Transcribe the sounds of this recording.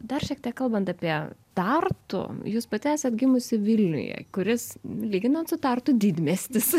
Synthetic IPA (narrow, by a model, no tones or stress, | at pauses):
d̪ɐrʃʲiɛk̚t̪ʲiɛkɐlˠbɐnt̪ɑːpʲiɛt̪ɐrt̪ʊ̰juːspɐt̪ʲæːsʲɛt̪ɡʲɪmʊsʲɪʋʲɪlʲnʲʊ̰jɛ̰kʊɾʲɪslʲiːɡʲɪnɐt̪sʊt̪ɑrt̪ʊd̪ʲiːd̪ʲmʲesʲt̪ʲɪs